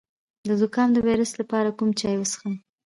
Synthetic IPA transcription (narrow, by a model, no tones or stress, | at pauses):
d̪əd̪ʊkɑmd̪əwajɾuslapɑɾakumt͡ʃɑjwəsə̥xəm